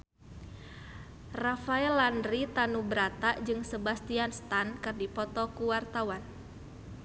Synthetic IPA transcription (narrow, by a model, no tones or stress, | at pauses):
rafaɛlandɾit̪anubəɾat̪aʔd͡ʒɨŋsəbast̪ianst̪ankɨrdipɔt̪ɔkuwart̪awan